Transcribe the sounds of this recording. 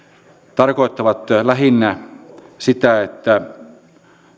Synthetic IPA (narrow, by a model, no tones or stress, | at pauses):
t̪ɑrkoˑet̪ːɑʋɑt̪læɦinːæ | sit̪æet̪ːæ